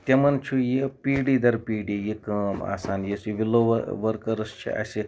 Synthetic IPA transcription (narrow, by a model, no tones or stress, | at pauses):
t̪ʲemɐnt͡ʃʰujipiːɖiːd̪ɐɾpiːɖijikəa̰ːsaːnjesuʋiloʋʋɐɾkɐɾɐst͡ʃʰḭʔa̰si